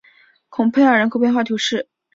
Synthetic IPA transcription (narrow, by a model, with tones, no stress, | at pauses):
kʰʊ˨˩ŋpʰe˥˧ɪə˞˨˩ɻə˧˥nkʰxɤ˧˥pjnxwa˥˩t̪ʰju˧˥ʂɻ̩˥˩